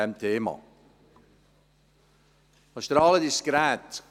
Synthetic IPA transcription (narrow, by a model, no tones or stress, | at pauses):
ɛmt̪ʰeːmɑ̰ | ɑʃt̪əɾɑːlədiskɾɛt